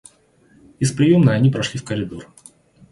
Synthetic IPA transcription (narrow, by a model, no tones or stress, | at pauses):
ɪspɾʲɪjomnəɐnʲipɾɐʂlʲifkəɾʲɪd̪or